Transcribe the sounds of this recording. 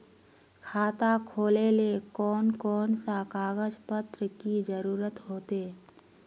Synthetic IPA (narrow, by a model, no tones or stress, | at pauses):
kʰaːt̪akʰoːlelekɔːnkɔːnsakaːɡəd͡ʒpət̪ɾəkid͡ʒəɾuːɾət̪ɦoːt̪eː